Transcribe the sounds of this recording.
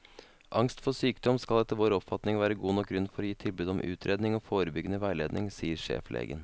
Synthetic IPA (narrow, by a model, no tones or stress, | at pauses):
ʔɑŋst̪fɔsyːkd̪ɔmskɑld̪ɛt̪ːəʋoːɾɔpfɑt̪nɪŋʋæːɾəɡuːnɔk̚ɡɾʉnfɔɾɔjiːt̪ʰɪlbʉd̪ɔmʔʉ̰ːt̪ʰɾeːd̪nɪŋoːfoːɾəbʏɡənəʋæɪleːd̪nɪŋsiːəɾʂḛːflʔḛːɡə̰n